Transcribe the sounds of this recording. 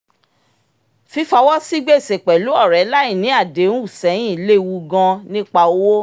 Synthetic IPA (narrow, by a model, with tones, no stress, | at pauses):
fi˨˦fa˧wɔ˦si˦ɡ͡be˦˨se˨k͡pɛ˨lu˨˦ɔ˦˨ɾɛ˨˦la˦i˦˨nĩ˨˦a˦˨de˨˦ñ˦u˦˨sɛ̃˨˦ĩ˦˨˦le˦˨˧wu˧ɡã˧nĩ˦k͡pa˧o˦wo˦